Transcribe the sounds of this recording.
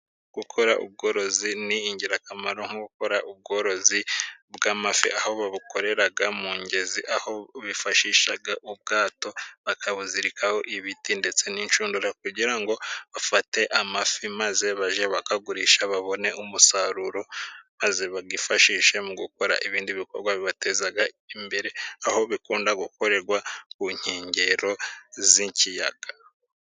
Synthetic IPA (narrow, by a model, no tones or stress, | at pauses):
ɡ̥ukʰo̞ɾa̰ʔṵb̚ɡo̞ːɾo̞ziniːɲɟiɾakamaɾoŋ̥huɡuko̞ɾaʔub̚ɡo̞ːɾo̞zibɡamafḭʔahoβaβukʰo̞ɾe̞ɾaɡamuːɲɟeziʔaho̞βifaʃiːʃaɡaʔub̚ɡaːto̞βakʰaβuziɾikʰaho̞ʔiβitinde̞t͡senint͡ʃuːnduɾak̚uɟiɾaŋɡo̞βafate̞ʔamafimaze̞βaʒeβakaɡuɾiʃaβaβo̞ne̞ʔumusaɾuɾo̞maze̞βaɡifaʃiːʃe̞muɡuko̞ɾa̰ʔiβiːndiβiko̞ɾɡwaβiβate̞zaɡa | imbe̞ɾe̞aho̞βikuːndaɡuko̞ɾe̞ɾɡwakuɲ̥heːɲɟeɾo̞ziɲcija̰ɡ̥ḁ